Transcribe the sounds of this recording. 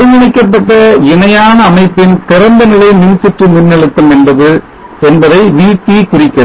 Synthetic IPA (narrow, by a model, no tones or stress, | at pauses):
ɪŋɐɳɪkːɐpːɐʈːɐɪnɐjaːnɐːmɐɪpːɪnpɪɾɐnd̪ɐnɪlɐɪmɪnsɪʈrɯmʊnːɛɭɯt̪ːɐmɛnbɐðɯ | ɛnbɐðɐɪʋiːt̪ːikʊrɪkːɐɾɐ